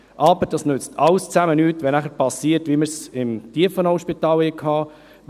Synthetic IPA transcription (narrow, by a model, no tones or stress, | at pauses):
ʔɑːbəɾd̥ɑsnʏt͡st̪ʰɑlst͡sæmənyːtʋɛnæχəpɑsiətʋiməɾsɪmt̪iəfənɔʊʃpit̪ɑːlhɛkʰɑː